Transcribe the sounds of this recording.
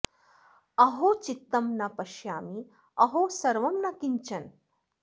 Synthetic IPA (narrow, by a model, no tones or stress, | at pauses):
ɐɦot͡ʃit̪ːɐmnɐpɐʃjaːmi | ɐɦosɐɾʋɐmnɐkiɲt͡ʃɐn